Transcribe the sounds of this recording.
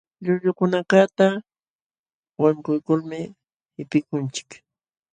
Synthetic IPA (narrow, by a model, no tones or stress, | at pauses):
ʎʊʎʊkʊnakat̪a | waŋkʊjkʊlmɪ | hɪpɪkʊnt͡ʃɪ̥k